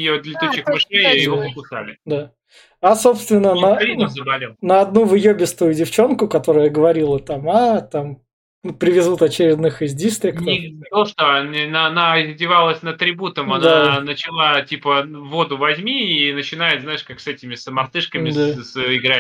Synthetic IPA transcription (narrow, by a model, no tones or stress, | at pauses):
jod̪lʲɪt̪ut͡ɕːɪxmɨʂejajɪvopəkʊsa̰lʲɪd̪a | aso̞pst̪vʲɪnːənəiəzəbɐlʲelˠnəɐd̪nuvɨjobʲɪst̪ʊjʊdʲɪft͡ɕo̞nkʊkɐt̪o̞ɾʊjəɡəvɐɾʲilˠət̪amat̪am | nupɾʲɪvʲɪzut̪ɐt͡ɕɪɾʲɪd̪nɨxɪzʲdʲist̪ɾʲɪkt̪iɐlˠʂt̪oɐnʲnːnaɐdʲɪvalˠəsʲnət̪ɾʲɪbut̪əmɐnanət͡ɕɪlˠatʲipəvo̞d̪ʊvɐzʲmʲiːnət͡ɕɪnajɪt̪znajɪʂkaksɛtʲɪmʲɪsəmɐrt̪ɨʂkəmʲɪd̪asɪɡɾa